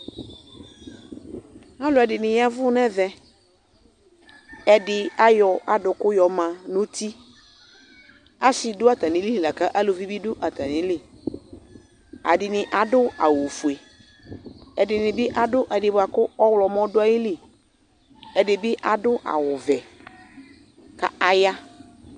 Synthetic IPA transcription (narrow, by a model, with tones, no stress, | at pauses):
a˦lʊ˦ɛ˨dɪ˨nɪ̃˨ja˦vʊ˦nɛ˦vɛ˦ | ɛ˨dɪ˨a˦jɔ˨a˨dʊ˨kʊ˦jɔ˨mã˨nõ˦t̪i˦ | a˦sɪ˨dʊ˦a˨ta˨nɪ̃˨˦li˦li˨la˨ka˦ʔa˦lʊ˨vi˦bi˦dʊ˦ʔa˨ta˨nɪ̃˨˦lɪ˦ | a̰˨dɪ˨nɪ̃˨ʔa˨dʊ˦a̰˨wo˨fu˨e˨ | ɛ˨dɪ˨nɪ̃˨bɪ˦ʔa˨dʊ˦ʔɛ˨dɪ˨bʊ˨a˨kʊ˦ɔ˦wlɔ˨m˦ɔ˦dʊ˦a˦jɪ˦li˦ | ɛ˨dɪ˨bɪ˦ʔa˨dʊ˦ʔa̰˨wʊ˨vɛ˨ | ka̰˨a˨ja˦